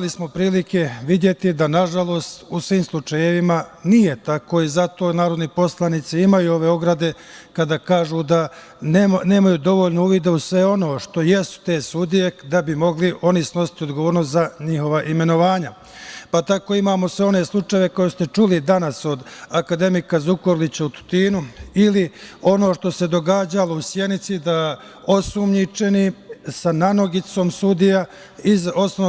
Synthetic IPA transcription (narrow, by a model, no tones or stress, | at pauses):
lismo̞pɾiːlike̞ʋid̪je̞t̪id̪anaʒalˠo̞ːst̪usʋiːmslˠut͡ʃajeʋimanije̞t̪ako̞izat̪o̞naːɾo̞d̪nipo̞slˠanit̪siimajuo̞ʋe̞o̞ɡɾad̪e̞kad̪aːkaːʒuːd̪a | ne̞ːmajuːd̪o̞ʋo̞ʎnouːʋid̪eusʋe̞o̞no̞ːʃt̪o̞je̞su̥t̪e̞ːsud̪ije̞d̪abimo̞ɡliʔo̞nisno̞si̥t̪io̞d̪ɡoʋoːɾnost̪zaɲixo̞ʋaʔime̞no̞ʋaːɲa | pat̪ako̞imaːmo̞sʋe̞o̞ne̞slˠut͡ʂajeʋe̞ko̞jesu̥t̪e̞t͡ʃulid̪anaso̞d̪akad̪e̞mikazukoɾlit͡ɕaut̪u̥t̪iːnuilio̞no̞ːʃt̪o̞se̞d̪o̞ɡaːd͡ʑalo̞usje̞d̪nit̪sid̪a | osumɲit͡ʃe̞nisanano̞ɡit̪so̞ːmsud̪ija | izos